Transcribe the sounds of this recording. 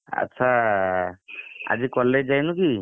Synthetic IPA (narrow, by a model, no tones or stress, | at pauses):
a̰tːsʰa | a̰d͡ʒikɔled͡ʒajnuki